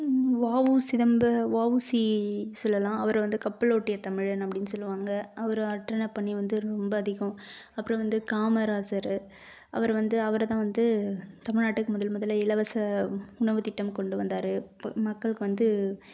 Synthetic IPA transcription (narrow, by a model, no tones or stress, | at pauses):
ʋaːʋɯsɪðɐmbɐʋaːʋusisɔlːɐlãːɐʋɐɾʋɐnd̪ɯkɐpːɐɭoːʈːɪjɐt̪ɐmɪɻnɐpːɐɽɪnːɯsɔlːɯʋaːŋɡɐʔɐʋɐɾɯɐɾʈːɾɐnɐpɐɳːiʋɐnd̪ɯɾɔmbɐːðɪɣɐ̃ɐpːɯɾɔ̃ʋɐnd̪ɯkaːmɐɾaːsɐɾ | ʔɐ̰ʋɐɾʋɐnd̪ɯɐʋɐɾt̪ãːʋɐnd̪ɯt̪ɐmɪɻnaːʈːɯkːɯmʊðɐlmʊðɐlːɐɪlɐʋɐsɐʊɳɐʋɯt̪ɪʈːɐmkɔɳɖɯʋɐnd̪aːɾɯmɐkːɐɭɯkːɯʋɐnd̪ɯ